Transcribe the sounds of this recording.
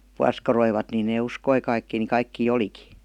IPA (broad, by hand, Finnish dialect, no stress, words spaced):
puɑskɑroiʋɑt ni neː uskoi kɑikːiː ni kɑikːiː oliki